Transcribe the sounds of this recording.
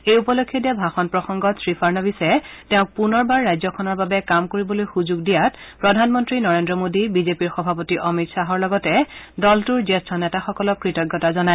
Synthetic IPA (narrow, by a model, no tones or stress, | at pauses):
ejupɔlokʰːjɔdɛbʱaxɔnpɹɔxɔŋɡɔtsɹipʰaɹnɔbisɛtɛʊ̃k̚punɔɹbaɹːajzɔkʰɔnɔɹbabɛkamkoɹibɔlojxuzuɡ̚dijatpɹɔdʱanmɔntɹinɔɹendɹɔmodibizepiɹxɔbʱapotiʔɔmitsaɦɔɹlɔɡɔtɛdɔltuɹzestʰɔnɛtaxɔkɔlɔkɹitɔɡːɔtazɔnaj